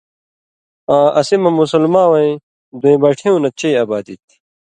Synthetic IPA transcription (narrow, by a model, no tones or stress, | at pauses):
ãːʔɐsimɐmusulmãːwɐ̃ĩ | d̪oĩbɐʈʰẽũnɐt͡ɕeːɐbaːd̪it̪i̥